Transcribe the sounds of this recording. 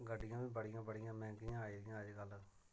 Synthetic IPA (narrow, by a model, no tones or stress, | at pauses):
ɡəɖːɪjãːʋĩːbəɽijãːbəɽɪjãːmɛ̃ːkijãːaːiːɾɪjãːəd͡ʒɡəl